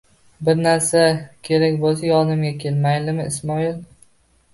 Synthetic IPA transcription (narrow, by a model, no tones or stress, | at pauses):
bɪɾnaɾsakʲʰe̞ɾakʲbosajɒnɪmɡʲakʲʰelmajlɪmɪɪsmɒil